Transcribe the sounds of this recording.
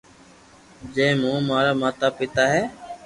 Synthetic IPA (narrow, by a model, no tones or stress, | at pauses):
d͡ʒẽːmũːmaːɾaːmaːt̪aːpɪt̪aːɦɛː